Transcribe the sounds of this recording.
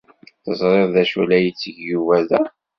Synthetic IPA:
θəzˤɾˤeðˤðæʃulæjət͡sːəʝjuvæðæ

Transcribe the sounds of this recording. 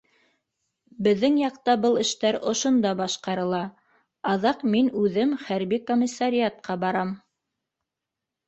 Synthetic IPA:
bɘ̆ðːɘŋjɑqt̪ɑbɤlˠɘ̆ʃt̪æɾŏʃŏnd̪ɑbɑʃqɑɾɤ̆lˠɑ | ɑðɑqminʉðɘmχæɾβikomʲisːaɾʲiat̪̚qɑbɑɾɑm

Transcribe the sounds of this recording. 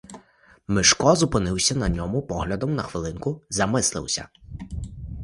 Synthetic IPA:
mɪʃkɔzʊpɪnɪwsʲɐnɐnʲɔmʊpɔɦlʲɐd̪ɔmnɐxʋɪlˠɪnkʊzɐmɪslˠɪ̰wsʲɐ̰

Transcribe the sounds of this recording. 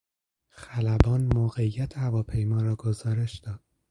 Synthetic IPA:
xælæbɒːnmoːɣe̞ijːæt̪ʰehævɒːpʰe̞jmɒːɾɒːɡozɒːɾe̞ʃd̪ɒːd̪̥

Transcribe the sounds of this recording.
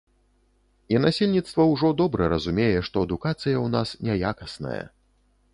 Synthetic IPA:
inasʲelʲnʲit̪st̪vɐwʐɔd̪ɔbɾɛɾɐzumʲejɛʂt̪ɔɐd̪ukat̪sɨjɐwnasnʲajakɐsnɐ̰jɐ̰

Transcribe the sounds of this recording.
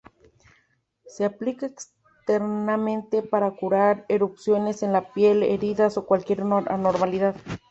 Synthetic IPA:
seaplikaeks | t̪eɾnamẽnt̪epaɾakuɾaɾeɾupsjo̞nesenlapjelḛɾiðaso̞kwalkje̞ɾanoɾmaliðað

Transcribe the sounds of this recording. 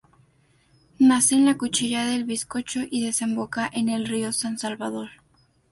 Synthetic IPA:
naseːnlakut͡ʃiʝaðelβisko̞t͡ʃo̞ʔiðe̞se̞mbo̞kaʔene̞lrio̞sansalβaðo̞ɾ

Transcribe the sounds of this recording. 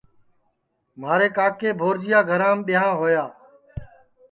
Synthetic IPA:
maːɾeːkaːkeːbʱoːɾd͡ʒɪjaːɡʱəɾãːmɓɪjãːɦoːjaː

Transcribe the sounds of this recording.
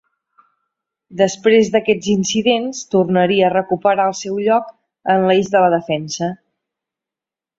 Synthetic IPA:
d̪əspɾezðəkɛd͡zinsiðenst̪urnəɾiəːrəkupəɾaəlˠsɛwʎɔk | ənlizðələðəfɛnsə

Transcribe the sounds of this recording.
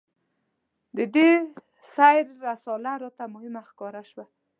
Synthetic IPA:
d̪əɖe | sajɾːasɑlaɾɔt̪amʊhɪmaxkɑɾaʃwa

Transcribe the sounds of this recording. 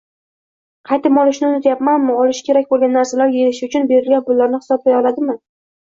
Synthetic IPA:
qʰɑjt̪ɪmɒlˠɪʃnɪnɪt̪ʰjapmanmʊɒlɪʃkʲʰeɾakʲbolˠɡʲanːaɾsalaɾjelɪʃɪʊt͡ʃʰʊnbe̞ɾɪlɡʲanbʊlːaɾnɪhɪ̥sɒb̚lʲajɒlad̪ɪmɪ

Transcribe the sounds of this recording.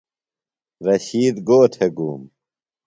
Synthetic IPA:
ɾɐɕiːd̪ɡoːʈʰeɡuːm

